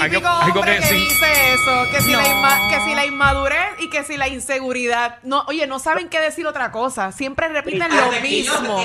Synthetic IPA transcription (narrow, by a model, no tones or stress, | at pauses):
koomkobɾekeðiseeso̞kesilaiakesilaimmaðuɾesike̞silainse̞ɣuɾiðað̚noʔoje̞no̞saβe̞ŋke̞ðe̞siɾo̞t̪ɾako̞sasje̞mpɾe̞repit̪enlomĩsmo